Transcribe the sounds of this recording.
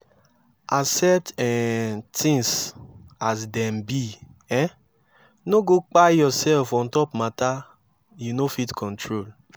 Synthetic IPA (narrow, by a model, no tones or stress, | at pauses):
asɛtɛtĩŋs | asdɛmbi | ɛ̃ | noɡok͡pajɔsɛlfɔ̃ntɔpmata | junofitkʰɔ̃ntʰɹol